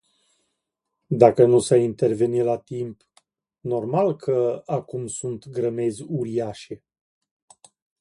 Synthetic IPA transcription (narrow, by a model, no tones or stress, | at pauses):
d̪akənusaint̪e̞rve̞nilat̪imp | no̞rmalkʰəakumsunt̪ɡɾəme̞zʲuɾiaʃe̞